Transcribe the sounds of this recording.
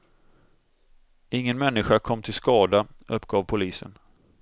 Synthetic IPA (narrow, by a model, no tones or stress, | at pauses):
ɪŋːənmɛnːɪɧakʰɔmːt̪ʰɪlskɑːd̪aʔɵpːɡɑːvpʰʊliːsə̰n